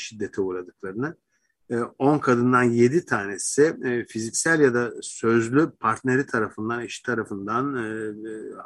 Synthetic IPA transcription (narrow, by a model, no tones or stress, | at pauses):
ʃid̪ːe̞t̪ʰɛuːɾad̪ɯk̚lˠaɾɯnɯ | o̞nkʰad̪ɯnd̪anje̞d̪it̪ʰaːnesɪfizicsælʲjad̪asø̞zlʲypʰaɾt̪ne̞ɾit̪ʰaɾafɯnd̪aniʃi̥t̪ʰaɾafɯnd̪an